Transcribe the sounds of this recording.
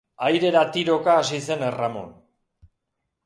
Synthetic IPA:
ajɾe̞ɾat̪iɾo̞kaːsise̞neramo̰n

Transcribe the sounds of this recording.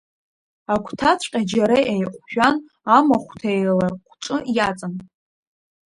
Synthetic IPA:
akʷʰtʰat͡ɕʷʰʼqʲʼad͡ʒaɾejʔajqʷʼʃᶣan | amaχʷtʰajlaqʷʰʈ͡ʂʼɨjat͡sʼan

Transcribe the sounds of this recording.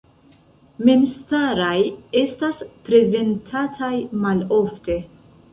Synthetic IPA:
me̞mstaɾaje̞staspɾe̞ze̞ntʰatʰajmalo̞fte̞

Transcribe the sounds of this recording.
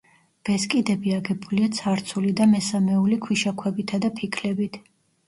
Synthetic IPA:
b̥ɛskʼid̪ɛbiaɡɛbuliat̪sʰaɾt̪sʰulid̪amɛsamɛulikʰwiʃakʰwɛbit̪ʰad̪apʰikʰlɛbit̪ʰ

